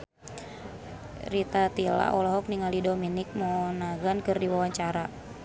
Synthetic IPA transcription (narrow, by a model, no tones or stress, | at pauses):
ɾit̪at̪ila̰ʔɔlɔɦɔk̚niŋalidominik̚mɔnaɡankɨrdiwawaɲt͡ʃaɾa